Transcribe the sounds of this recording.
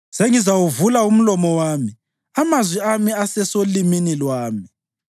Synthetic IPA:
seŋizawuvulaum̩lɔmɔwaːmi | amazwiamiasɛsoliminilwaːmi

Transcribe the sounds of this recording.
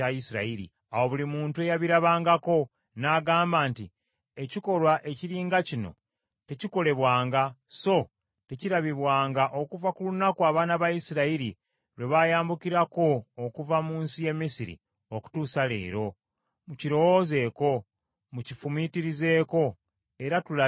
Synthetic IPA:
ajisiɾa̰iɾḭ | awo̞βulimuːntue̞jaβiɾaβaːŋɡako̞ | naɡaːmbaːnti | e̞ciko̞ɾwaʔe̞ciɾiːŋɡacino̞̰ | te̞ciko̞le̞βwaːŋɡaso̞ | te̞ciɾaβiβwaːŋɡaʔo̞kuvakulunakuaːβaːnaβajisiɾaiɾi | ɾwe̞βajaːmbukiɾako̞ːkuvamuːnsije̞mːisiɾḭ | oku̥tuːsale̞̰ːɾo̞ | muciɾo̞woze̞ːko̞ | mucifumitiɾize̞ːko̞ | e̞ɾatula

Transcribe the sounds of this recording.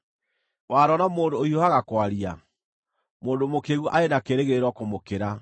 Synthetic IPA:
waːɾɔnamoːndoːioaɣakwaɾia | moːndomokeɣuʔaenakeɾeɣeɾeɾɔkomokeɾa

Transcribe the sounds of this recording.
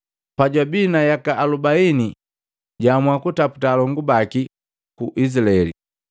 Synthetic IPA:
paɟwabinajakaʔːlubaini | ɟamwakutapu̥talɔŋɡubaki | kuʔisilaɛlḭ

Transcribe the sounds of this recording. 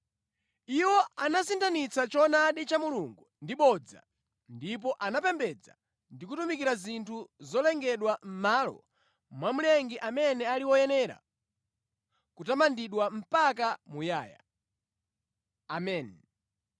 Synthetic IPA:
iwɔanasintʰanit͡sat͡ʃɔnaɗit͡ʃamuluŋɡundiɓɔd͡za̰ | ndip̬ɔʔanapɛmbɛd͡za̰ | ndikutumikiɾazintʰuzɔlɛŋɡɛɗwam̩malɔ̰ | mwamulɛŋɡiʔamɛnɛaliwɔjɛnɛɾa̰ | kutamandiɗwam̩pakamujaːja̰ | amɛːn

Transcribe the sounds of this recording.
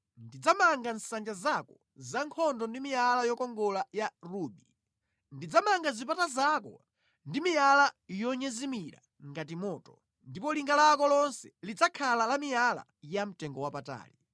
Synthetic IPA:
ndid͡zamaŋɡan̩sand͡ʒazakɔ | zaŋkʰɔndɔndimijalajɔkɔŋɡɔlajaruːbi | ndid͡zamaŋɡazipatazakɔ̰ | ndimijalajɔɲɛzimiɾa̰ | ŋɡat̬imɔːtɔ | ndipɔliŋɡalakɔlɔnsɛ̥lid͡zakʰalalamiala̰jam̩tɛŋɡɔwapata̰ːli

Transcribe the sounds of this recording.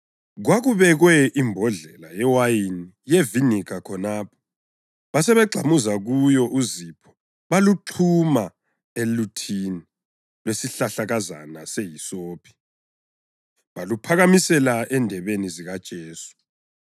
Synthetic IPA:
ɣwaɣuβɛɣwɛʔimbʱɔɮɛlajɛwajini | jevinikʰakʰɔnaːpʰɔ̥ | βasɛβɛɡ͡ǃʱamuzaɣujɔʔuzipʰɔ̥ | βaluǃʰuma | elutʰini | lwesiɬaɬaɣaza̰nasejisoːpʰi̥ | βalupʰaɣamisɛlaʔɛndʱɛβeniziɣad̥ʒ̥ʱeːsu̥

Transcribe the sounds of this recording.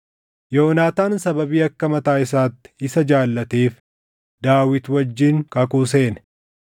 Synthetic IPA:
jo̞ːnaːt̪aːnsɐbɐbiːɐkːɐmɐt̪aːɪs̬aːt̪ːɪ̥ɪsɐd͡ʒaːlːɐt̪eːf | d̪aːwɪt̪wɐd͡ʒːɪŋkɐkuːs̬e̞ːn

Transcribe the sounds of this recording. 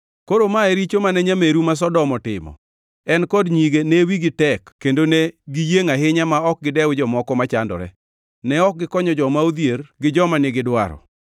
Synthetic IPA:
koɾomaɛɾit͡ʃomanɛɲameɾumas̬ɔdɔmɔtɪ̰mɔ̰ | ɛnkɔdɲiɡenewiɡɪtɛkːendoneɡijeŋaɦɪɲamaɔk̚ɡɪdɛwd͡ʒɔmɔkɔmat͡ʃandɔ̰ɾɛ̰ | nɛɔk̚ɡɪkɔɲɔd͡ʒɔmaod̪jeɾɡɪd͡ʒɔmanɪɡɪdwa̰ɾɔ̰

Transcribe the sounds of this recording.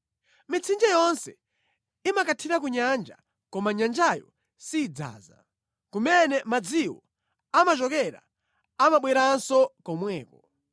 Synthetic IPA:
mit͡sʰind͡ʒajɔnsɛ̰ | imakatʰiɾak̬uɲand͡ʒa̰ | kɔmaɲand͡ʒajɔ̰ | siːd͡za̰ːza̰ | kumɛnɛmad͡ziwɔ | amat͡ʃɔkɛɾa̰ | amaɓwɛɾansɔkɔmwɛːkɔ

